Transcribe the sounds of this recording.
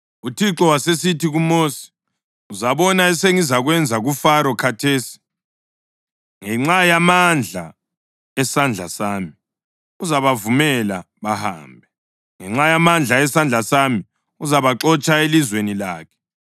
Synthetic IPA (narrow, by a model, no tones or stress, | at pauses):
utʰiǁɔwasesitʰiɣumoːsi̥ | uzaβɔnaɛseŋizaɣwɛnd͡zʱaɣufaɾɔkʰatʰeːsi̥ | ŋɛŋ͡ǁajamand͡ɮʱa̰ | ɛsand͡ɮʱa̰saːmi | uzaβavumɛla | βaha̰ːmbʱɛ | ŋɛŋ͡ǁajamand͡ɮʱaɛsand͡ɮʱasami | uzaβaǁɔt͡ʃʼaelizwenilaːkʰɛ̥